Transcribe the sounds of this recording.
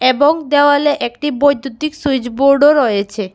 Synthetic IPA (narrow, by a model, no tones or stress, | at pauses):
eboŋd̪eoaleʔek̚ʈibojd̪ud̪iksujd͡ʑboɾɖoɾɔjet͡ɕʰe